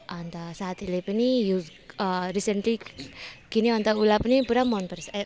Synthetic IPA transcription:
ʔant̪asat̪ilipiniju | əɾisɛnt̪i | kiniant̪aulap̚nipuɾamɔnpəɾsa

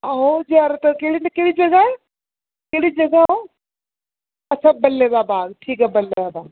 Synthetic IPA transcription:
aɦod͡ʒiaɾt̪ɐkeɽinɐkeɽid͡ʒɐɡaɦɛ | keɽid͡ʒɐɡao | ɐt͡ʃʰabɐlːed̪abaːɡʈʰiːkɦɛbɐlːed̪abaːɡ

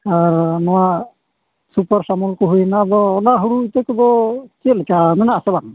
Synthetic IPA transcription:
aɾnɔwa | supaɾsamɔlkɔɦujnaːbɔːnaɦuɽuit̪ɛkɔbɔt͡ʃit̪lɛkamɛnaasɛbaŋ

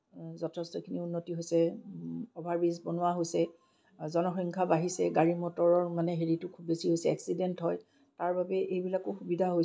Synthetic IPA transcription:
zɔtʰɛstɔkʰiniunːotiɦojsɛ | ɔbʱaɹbizbɔnʊwaɦojsɛ | zɔnɔxɔŋkʰabaɦisɛɡaɹimɔtɔɹɔɹmanɛɦeɹitʊkʰubːesiɦojsɛɛksidɛntɦɔj | taɹbabɛʔejbilakʊxubidʱaɦoj

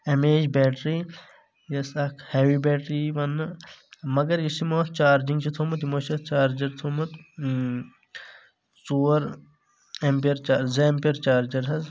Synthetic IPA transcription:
ɐmeːd͡ʒbɛːʈɾi | jɐsɐkʰheːʋibɛːʈɾiːʋɐn | mɐɡɐɾjisimoːt̪t͡ʃaːɾd͡ʒiŋɡt͡ʃʰit̪ʰoːmɐt̪̬imoːt͡ʃɐt͡ʃaːɾd͡ʒɐɾt̪ʰoːmɐt̪ | t͡suːɐɾ | empɐɾt͡ʃaːɾzempɐɾt͡ʃaːɾd͡ʒɐɾɦɐz

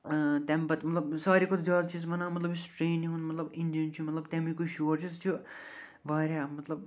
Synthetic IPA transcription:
t̪ɛmbɐt̪mɐt̪lɐbsaːɾikot̪ʰzjaːd̪t͡ʃʰis̬mɐnaːmɐt̪lɐbisʈɾeːniɦũnmɐt̪lɐbind̪ijənt͡ʃʰumɐt̪lɐbt̪ɛmikuʃuːɾt͡ʃʰist͡ʃʰu | ʋaːɾʲaːmɐt̪lɐb

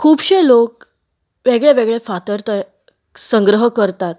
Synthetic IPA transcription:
kʰuːbɕelok̚ | ʋeɡɭeʋeɡɭefat̪əɾt̪ə | səŋɡɾəɦəkəɾt̪at̪

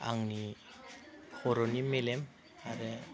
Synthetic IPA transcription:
a̰ŋni | xoɾonimelem | aɾɛ

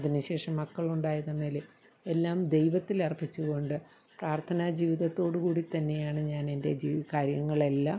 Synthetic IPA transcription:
ɐðinɨɕe̞ːʂɐmːɐkːɐɭuɳɖaːjɐðɐnːɐlɨ | e̞lːaːmd̪e̞jʋɐt̪ːilɐrpːit͡ɕːuɣo̞ɳɖɨ | praːrt̪ʰɐnaːd͡ʑiːʋiðɐt̪ːo̞ːɽɨkuːɽit̪ɐnːe̞jaːɳɨɲaːne̞nde̞d͡ʑiːkaːɾjɐŋːɐɭe̞lːa

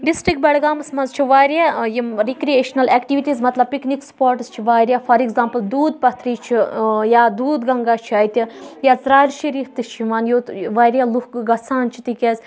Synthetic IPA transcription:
ɖisʈɾikbʲɛːɽɡaːmɐsmɐnzt͡ʃʰiʋaːɾjajiɾikɾieːʃnɐleːkʈiʋiʈiːzmɐt̪lɐb̚piknikspoːɾʈst͡ʃʰiʋaːɾʲjaːfɐɾiɡzãːmpɨld̪uːd̪̚pɐt̪ʰɾiːt͡ʃʰijaːd̪uːd̪ɡɐŋɡaːt͡ʃʰiɐːjt̪ʲijasɾaːlʃɐɾiːɾt̪ɨt͡ʃʰiʋaːnjoːʋaːɾʲjaluhɡɐsaːnt͡ʃʰi̥t̪ikʲeːz

